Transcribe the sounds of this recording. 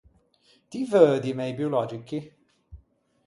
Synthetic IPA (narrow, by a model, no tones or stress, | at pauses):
t̪ivøːd̪imɛjbjolɔd͡ʒikːi